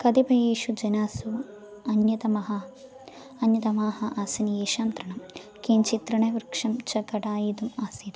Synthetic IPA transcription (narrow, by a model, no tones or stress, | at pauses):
kɐd̪ipɐjeːʃud͡ʒɐnaːsu | ɐnjɐt̪ɐmɐɦɐ | ɐnjɐt̪ɐmaːhɐʔaːsɐnijeːʃaːnt̪ɾɐɳɐm | keːnt͡ʃit̪ɾɐɳɐʋɾkʂɐmt͡ʃɐkɐʈaːjid̪umaːsid̪